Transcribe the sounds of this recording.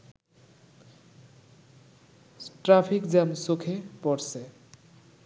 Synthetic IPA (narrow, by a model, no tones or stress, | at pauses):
ʈɾapʰikd͡zamsokʰepʌɾse